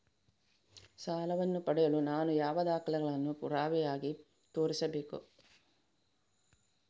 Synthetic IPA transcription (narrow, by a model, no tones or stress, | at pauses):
saːlɐʋɐnːupɐɽɛjɐlunaːnujaːʋɐd̪aːkɐlɛɡɐɭɐnːupuɾaːʋɛjaːɡi | t̪oːɾisɐbeːkṵ